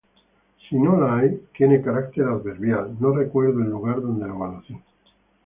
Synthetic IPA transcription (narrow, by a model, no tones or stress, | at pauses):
sinolaajt̪jenekaɾak̚t̪eɾaðβeɾβjalnorekweɾðoelːuɣaɾðo̞nd̪eloβalaθi